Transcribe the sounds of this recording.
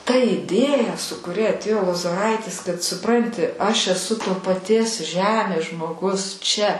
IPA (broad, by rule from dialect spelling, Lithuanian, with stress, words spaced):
tɐ ɪˈdʲeːjɛ sʊ kʊˈrʲɛ ɐtʲˈeːjoː lˠoːzoːˈrɐɪtʲɪs kɐt sʊˈprɐnʲtʲɪ ɐʃ ɛˈsʊ toː pɐˈtʲiɛs ˈʒʲæːmʲeːs ʒmoːˈɡʊs t͡ʃʲɛ